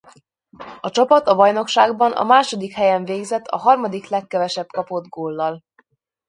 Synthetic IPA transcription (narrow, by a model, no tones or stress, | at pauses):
ɒt͡ʃɒpɒt̪ɒbɒjno̞kʃaːɡbɒnɒ̰maːʃo̞d̪ikhɛjɛɱveːɡzɛt̪ʰːɒ̰ɦɒrmɒd̪iklɛkːɛvɛʃɛpkɒpo̞d̪ɡoːlːɒl